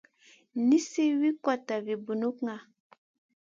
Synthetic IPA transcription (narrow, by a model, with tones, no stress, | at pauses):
ni˦si˦wi˦ka˨ta˨vi˨bu˨nu˦kŋa˨